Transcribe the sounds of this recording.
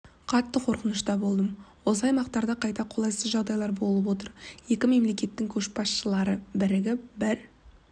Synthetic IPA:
qʰɑt̪ːəqʰo̞ɾqənəʃt̪ɑbo̞lˠd̪əmwos̬əɑjmɑqt̪ɑɾd̪ɑqʰɑjt̪ɑqʰo̞lˠɑjsəzʒɑʁd̪ɑjlˠɑɾbo̞lˠəpwo̞t̪əɾje̞kʲɪme̞mle̞kʲe̞t̪ːɪŋkʲʰɵʃbɑsʃəlˠɑɾəbɪɾɪɡʲɪbɪɾ

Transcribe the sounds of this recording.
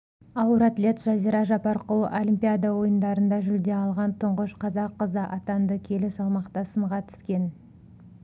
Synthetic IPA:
ɑwəɾat̪lʲe̞t̪sʒ̥ɑziɾɑʒɑpɑɾqəl̰ˠʔolʲimʲpʲijad̪ɑwo̞jənd̪ɑɾənd̪ɑʒʏld̪e̞ɑlˠʁɑnt̪ʰʊɴʁəʃqʰɑzɑqːəzəʔɑt̪ɑnd̪əkʲʰe̞lɪsɑlˠmɑqt̪ɑsəɴʁɑt̪ʰʏ̥skʲe̞n

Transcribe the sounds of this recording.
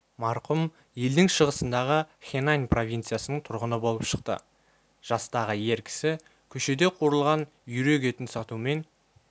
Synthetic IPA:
mɑɾqʊm | je̞ld̪ɪŋʃəʁəsənd̪ɑʁəχʲenajnpro̞vʲijnt̪sɨjasənəɴt̪ʰʊɾʁənəbo̞lˠəpʃəqt̪ə̰ | ʒ̥ɑst̪ɑʁəje̞ɾkʲʰɪ̥sɪ | kʲʰɵʃe̞d̪e̞qʰuɾəlˠʁɑn | jʏɾe̞ɡe̞t̪ɪnsɑt̪ume̞n

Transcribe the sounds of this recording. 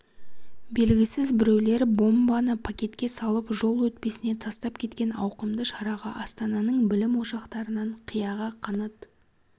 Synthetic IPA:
be̞lɡʲɪsɪzbɪɾe̞wle̞ɾbo̞mbɑnəpʰakʲe̞t̪kʲe̞sɑlˠəpʒo̞lˠwɵt̪̚pe̞sɪne̞t̪ʰɑst̪ɑpkʲʰe̞t̪kʲe̞nɑ̰wqəmd̪əʃɑɾɑʁɑʔɑst̪ɑnɑnəɴbɪlɪmwo̞ʃɑqt̪ɑɾənɑɴqʰijɑʁɑqʰɑnət̪

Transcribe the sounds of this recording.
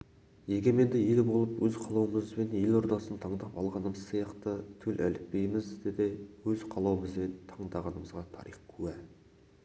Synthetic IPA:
je̞ɡʲeme̞nd̪ɪed̪ɪbo̞lˠəpwɵzqʰɑlˠɑwəməzbe̞nelo̞ɾd̪ɑsənt̪ʰɑɴd̪ɑpɑ̰lˠʁɑnəməz̥sijɑqt̪ət̪ʰɵlʔæ̰lɪp̚pe̞jmɪzd̪ed̪e̞wɵzqʰɑlˠɑwəməzbe̞nt̪ʰɑɴd̪ɑʁɑnəməzʁɑt̪ʰɑ̰ɾijqkʲʰʉwæ

